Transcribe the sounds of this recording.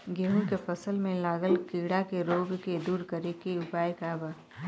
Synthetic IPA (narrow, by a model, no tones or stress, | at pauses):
ɡeːɦũkepʰəsəlmẽlaːɡəlkiːɽakeɾoːɡked̪uːɾkəɾekeʊpaːjkaːbaː